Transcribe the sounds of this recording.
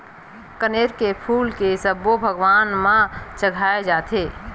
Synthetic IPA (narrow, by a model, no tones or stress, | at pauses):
kəneːɾkepʰuːlkesəbːobʱəɡwaːnmãt͡ʃəɡʱaːed͡ʒaːt̪ʰeː